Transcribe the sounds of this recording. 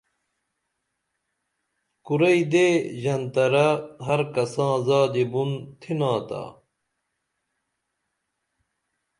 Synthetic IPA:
kuɾɐid̪eːʑɐnt̪ɐɾɐɦɐɾkɐsãːzaːd̪ibunt̪ʰinãːt̪a̰ː

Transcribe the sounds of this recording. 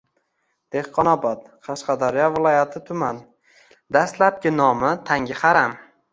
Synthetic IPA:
d̪̥ehqʰɒnɒbɒt̪̚qʰɑʃqɑd̪aɾijɒvɪlˠɒjat̪ʰɪt̪ʰʊman | d̪ast̪lap̚kʲɪnɒmɪt̪ʰaŋʲɪhaɾam

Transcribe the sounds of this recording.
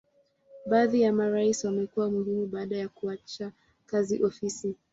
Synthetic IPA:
ɓaːðijamaɾaiswamɛkuwamuhimuɓaːɗajakuat͡ʃa | kaziʔɔfisi

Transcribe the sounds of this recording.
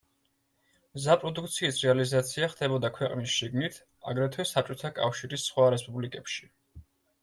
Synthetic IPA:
mzapʼɾɔd̪uk̚ʰt̪sʰiːsɾɛalizat̪sʰiaχd̪ɛbɔd̪akʰwɛqʼnisʃiɡnit̪ʰ | a̰ɡɾɛt̪ʰwɛsat͡ʃʼɔt̪ʰakʼafʃiɾisχwaɾɛspʼublikʼɛpʃi̥

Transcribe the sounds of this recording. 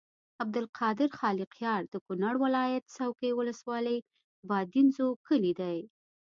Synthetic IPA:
ab̚d̪ɪlqʰɑd̪ɪɾxɑliqjɑɾd̪̥əkʊnaɽwɪlɑjat̪sawkejwʊləswɑləj | bɑd̪inzokəlid̪aj

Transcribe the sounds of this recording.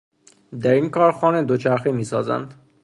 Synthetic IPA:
d̪æɾiŋkʰɒːɾxɒːned̪ot͡ʃʰæɾxemiːsɒːzæ̰nd̪

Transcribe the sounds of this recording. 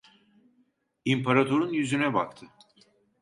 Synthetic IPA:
impʰaɾat̪ʰoɾunjyzynɛbak̚t̪ʰɯ

